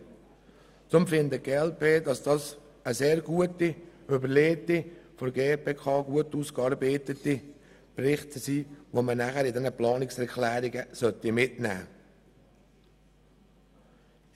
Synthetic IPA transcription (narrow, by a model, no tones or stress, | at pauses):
t͡sʊmfɪnd̪əɡ̥eɛlpʰeːdɑsd̥ɑːs | əseːɾɡuətiʏbəɾleːtifɔɾɡeːpʰeːkʰɑːɡuətuːskɑːɾbeːt̪əti | prɪχtsiːʋomənæχəɾɪdɛnəplɑːnɪksɛɾkʰlæːɾɪɡəsœt̪imɪtnæ̰ː